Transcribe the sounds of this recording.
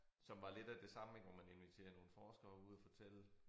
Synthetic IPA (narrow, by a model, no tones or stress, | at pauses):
sɒ̽mʋɑ̈le̝d̥æd̥e̝sɑ̈məɡ̥ɒmæne̝nʋit͡sʰe̝̰ːɐno̝ːn̩fɒːsɡ̥ɐːuð̞̰ˠæfɒ̽t͡sʰel̰ə